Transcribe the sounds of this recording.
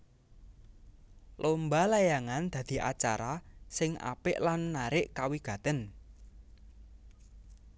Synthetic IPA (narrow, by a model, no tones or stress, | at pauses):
lʔombalajaŋand̪̥ä̤d̪̥i̤ʔa̰t͡ʃa̰ɾasɪŋa̰pɪʔlanːaɾɪʔkawiɡ̥ä̤t̪ən